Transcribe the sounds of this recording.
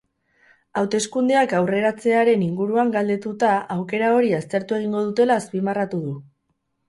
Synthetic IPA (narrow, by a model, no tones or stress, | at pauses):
awt̪e̞skund̪e̞akawre̞ɾat͡se̞aɾe̞niŋɡuɾuaŋɡald̪e̞t̪ut̪aawke̞ɾao̞ɾiast̪e̞ɾt̪ue̞ɣ̞iŋɡo̞ð̞ut̪e̞laːspimarat̪uðu